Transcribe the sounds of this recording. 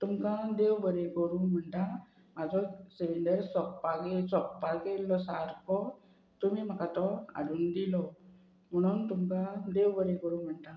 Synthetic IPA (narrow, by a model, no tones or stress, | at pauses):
t̪umkãd̪ewbəɾekɔɾuːm̤əɳʈ̪a | mad͡zɔseʋiɳɖəɾsɔpːaɡesɔpːakelːɔsaɾkɔ | t̪umiːm̤akat̪ɔa̰ɽuːnd̪ilɔ | m̤əɽ̃uːnt̪umkãd̪ewbəɾekɔɾuːm̤əɳʈ̪a